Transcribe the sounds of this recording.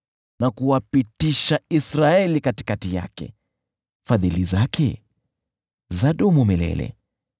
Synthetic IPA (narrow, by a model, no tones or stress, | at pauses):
nakuwapitiʃaisɾaɛlikati̥katija̰kɛ̰ | faðilizakɛ | zaɗumumɛlɛ̰lɛ̰